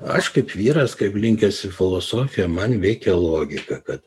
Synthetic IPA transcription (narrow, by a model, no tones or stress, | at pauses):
ɐ̰ʃkɐɪpʋʲiːɾɐskɐɪplʲɪŋʲkʲɛsʲɪfʲɪlˠoːsoːfʲɪjɛmɐnʋʲɛɪkʲɛlˠoːɡʲɪkɐkɐt̪